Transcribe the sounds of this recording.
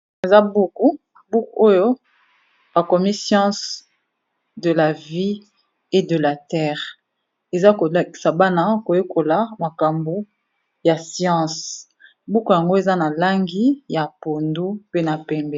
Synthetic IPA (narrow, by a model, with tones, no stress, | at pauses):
e˨za˦bu˦ku˦ | bu˦ku˨o˦jo˦ | ba˨kɔ˨mi˦sjɑ̃˦s | də˨la˨vi˦ | e˦də˨la˨tɛ˦ʁ | e˨za˦ko˨lki̥˨sa˨ba˦na˦ko˨jo˦kʰo˨la˨ma˨ka˨mbo˦ | ja˨sjɑ̃˦s | bu˦ku˨ja˨ŋɡo˦e˨za˦na˨la˦ŋɡi˦ja˨po˨ndu˦pe˦na˨pɛ˨mbɛ˦˨